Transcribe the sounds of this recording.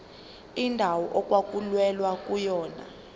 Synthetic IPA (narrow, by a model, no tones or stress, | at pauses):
indʱawɔʔɔk̬ʼwak̬ʼulwɛlwak̬ʼujɔːna̰